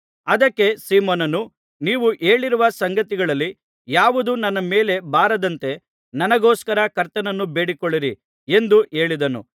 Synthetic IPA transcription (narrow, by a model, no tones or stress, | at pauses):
ɐd̪ɐkːe̞siːmoːnɐnu | niːʋuʔe̞ːɭiɾuʋɐsɐŋɡɐt̪iɡɐɭɐlːi | jaːʋud̪unɐnːɐme̞ːle̞baːɾɐd̪ɐnt̪e̞ | nɐnɐɡoːskɐɾɐkɐɾt̪ɐnɐnːube̞ːɽikoɭːiɾi | e̞nd̪uʔe̞ːɭid̪ɐnṵ